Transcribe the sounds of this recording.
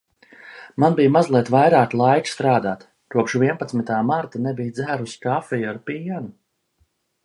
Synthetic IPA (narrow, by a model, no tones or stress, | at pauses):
manbijmazlˠiɛt̪vajɾaːklˠajt͡ʃst̪ɾaːd̪aːt̪ | kuɔpʃvʲiɛnpat̪smit̪aːmaɾt̪anɛbijd̪zæːɾuskafijaɾpijanu